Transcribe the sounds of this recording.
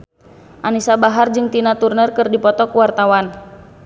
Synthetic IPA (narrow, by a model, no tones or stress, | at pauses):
ʔanisabaɦard͡ʒɨŋt̪inat̪urnərkɨrdipɔt̪ɔkuwart̪awan